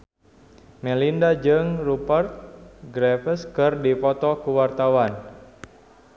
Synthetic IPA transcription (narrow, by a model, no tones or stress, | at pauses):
mɛlindad͡ʒɨŋrupərt̪̚ɡɾɛfəskɨrdipɔt̪ɔkuwart̪awan